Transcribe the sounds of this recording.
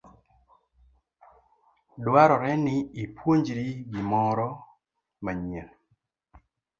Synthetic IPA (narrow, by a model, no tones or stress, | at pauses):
dwaɾɔɾɛnɪːpʰwoɲd͡ʒɾiɡimɔɾɔ | maɲɛl